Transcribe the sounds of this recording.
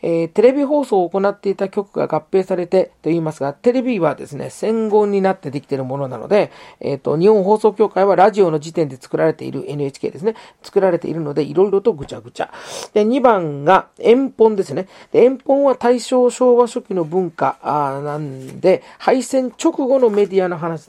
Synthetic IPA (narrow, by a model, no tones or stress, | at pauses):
eːt̪e̞ɾe̞bʲiɦo̞ːso̞ːko̞nat̪ːe̞it̪akʲo̞kɯ̟ɡa̰ɡapːe̞ːsaɾe̞t̪e̞t̪o̞iːmasɨɡat̪e̞ɾe̞bʲiβad̪e̞̰sɨne̞̰sẽ̞ŋɡõ̞ɲ̟ːinat̪ːe̞d̪e̞kʲi̥t̪e̞ɾɯ̟mo̞no̞na̰no̞̰d̪e̞ḛt̪ːo̞̰ɲ̟ihõ̞ɰ̃ɦo̞ːso̞ːkʲo̞ːkaiβ̞aɾaʑio̞no̞d͡ʑit̪end̪e̞t͡sɨ̥kɯ̟ɾaɾe̞t̪e̞̰ḭɾɯ̟ʔe̞nɯ̟et͡ɕi̥kʲe̞ːd̪e̞sɨne | t͡sɨ̥kɯ̟ɾaɾe̞t̪e̞̰ḭɾɯ̟no̞d̪e̞ʔiɾo̞iɾo̞t̪o̞ɡɯ̟t͡ɕaɡɯ̟t͡ɕa̰d̪̥e̞ɲ̟ibãŋɡaẽ̞mpõ̞nd̪e̞sɨne | d̪̥eẽ̞mpõ̞ɰ̃βat̪aiɕo̞ːɕo̞ːβaɕo̞kʲino̞bɯ̟̃ŋkanãnd̪e̞ | haisẽ̞ɲ̟t͡ɕo̞kɯ̟ɡo̞no̞me̞d̪ʲiano̞ɦanaɕi